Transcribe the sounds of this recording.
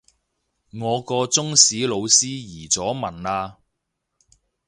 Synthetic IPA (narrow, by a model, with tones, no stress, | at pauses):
ŋɔː˨˧kɔː˧t͡sʊ˥ŋsiː˨˥lo˨˧wsiː˥jiː˨˩t͡sɔː˨˥mɐ˨˩naː˧